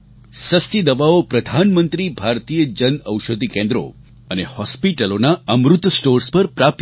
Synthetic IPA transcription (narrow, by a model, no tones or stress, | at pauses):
səst̪id̪əʋaopɾəd̪ʱanmənt̪ɾibʱaɾt̪ijəd͡ʒənəwʃəd̪ʱikẽnd̪ɾo̰ | ənehɔspiʈəlonaəmɾut̪sʈoɾspəɾpɾap̚t̪